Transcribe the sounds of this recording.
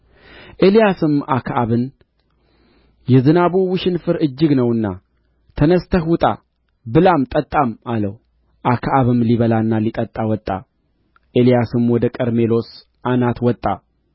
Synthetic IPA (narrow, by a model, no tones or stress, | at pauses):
ʔe̞lijasɨmakʰʔaβɨn | jɛzɨnaβuwɨʃɪnfɨɾɨd͡ʒːɨɡnəwɨnːa | t̪ʰənəst̪ʰəhʊt̪ʼa̰ | bɨlamt̪ʼət̪ʼːamaləw | ʔakʰʔaβɨmliβəlanːalit̪ʼət̪ʼːawɔt̪ʼːa̰ | ʔe̞lijasɨmwɔd̪əkʼəɾme̞lo̞s | ʔanat̪wɔt̪ʼːa